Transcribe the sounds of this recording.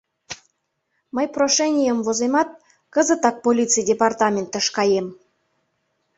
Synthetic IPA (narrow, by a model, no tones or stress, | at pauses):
məjproʃenʲijəmvozemɑt̪̚ | kə̆zə̆t̪ɑk̚polʲit͡sɨjdʲepɑrt̪ɑmʲent̪ə̆ʃkɑjem